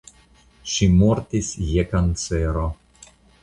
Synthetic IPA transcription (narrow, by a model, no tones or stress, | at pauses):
ʃimoɾt̪isjekant̪seɾo